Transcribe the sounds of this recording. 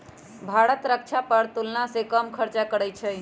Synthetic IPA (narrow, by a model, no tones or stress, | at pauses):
bʱaɽət̪ɾək̚t͡ʃʰapəɾt̪ulnasekəmkʰəɾt͡ʃakəɽəjt͡ʃʰɛ